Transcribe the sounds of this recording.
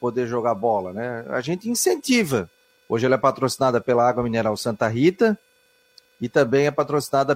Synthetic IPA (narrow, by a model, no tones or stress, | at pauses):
pod̪eɾʒoɡabɔlɐnɛa̰ʒẽnt̪ɪĩsẽnt̪ivɐ | oʒɪɛlɛpat̪ɾosinad̪ɐpelɐaɡwɐmineɾawsɐ̃nt̪ɐɦit̪ɐ | ɪt̪ɐ̃bẽj̃ɛpat̪ɾosinad̪ɐ